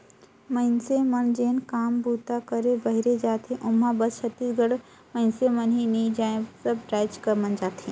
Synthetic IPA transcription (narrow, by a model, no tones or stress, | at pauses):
məɪnsemɐnd͡ʒeːnkaːmbuːt̪akəɾebɐɦɪɾed͡ʒaːt̪ẽʔʊmɦãbɐst͡ʃʰɐt̪ːiːsɡəɽ | mə̃ɪnsemənɦiniid͡ʒaːẽsɐbʈɾaːɪt͡ʃkɐɾmɐnd͡ʒaːt̪ẽː